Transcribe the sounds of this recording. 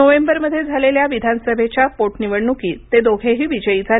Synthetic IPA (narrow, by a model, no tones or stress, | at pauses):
əʋembəɾməd̪ʱːjed͡zʱaleljaʋid̪ʱanəsəbʱet͡ɕjapoʈniʋəɽnukiːt̪ed̪oɡʱeɦiːʋid͡ʑəid͡zʱa